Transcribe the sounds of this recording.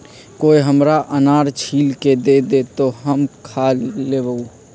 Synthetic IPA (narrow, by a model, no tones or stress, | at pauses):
koːiɦəmɾaʔənaːɾt͡ʃʰiːlked̪ed̪et̪oɦəmkʰaːllebəu